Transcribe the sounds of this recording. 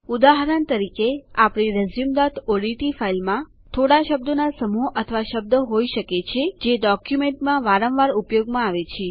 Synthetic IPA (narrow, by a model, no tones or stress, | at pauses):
ud̪aɦɾənt̪əɾikeapɳ̃iɾəzimd̪at̪ʰoɽiʈifailmã | t̪ʰoɽaʃəb̚d̪ənasəmuɦʔət̪ʰəʋaʃəb̚d̪əɦoiʃəket͡ʃʰed͡ʒeɖɔkjumeɳʈmãʋaɾə̃ʋʋaɾupjoɡmãaʋet͡ʃʰe